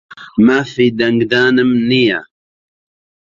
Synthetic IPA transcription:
mafid̪aŋɡd̪aːnəmnija

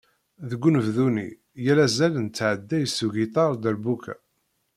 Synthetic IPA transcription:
ðəɡʷːunəvðunḭ | jælæzælənt͡sːʕəd̪ːæjsuʝit̪ˤɑɾˤd̪ælbukæ̰

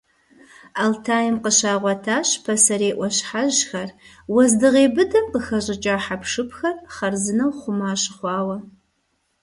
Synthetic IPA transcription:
aːltʰaːjɪmqəɕaːʁʷɔtʰaːɕpʰɐsɐɾeːʔʷɔɕħaʑxɐr | wɐzdɨʁeːbɨdɐmqəxɐɕʼɪt͡ʃʼaːħapʂɨpʰxɐrχɐrzɨnɐwχʷʊmaːɕɪχʷɑːwɐ

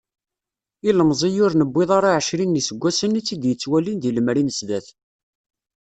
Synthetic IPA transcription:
iləmzˤijʊɾnəbːɪðˤɑɾˤaʕəʃɾinːisəɡʷːæsənit͡sːid̪jət͡sːwælinðiləmɾinəsðæθ

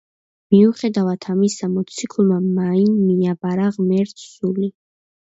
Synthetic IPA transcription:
miuχɛd̪avat̪ʰamisamɔt̪sʰikʰlˠmamainmiabaɾaʁmɛɾt̪ʰsuli

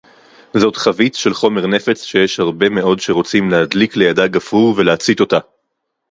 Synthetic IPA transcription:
zo̞tχavit͡sʃe̞lχo̞me̞ʁne̞fe̞t͡sʃe̞jeʃhaʁbe̞me̞ʔo̞dʃe̞ʁo̞t͡simlehad̪likle̞jadaɡafʁuʁve̞leat͡sit̪o̞ta

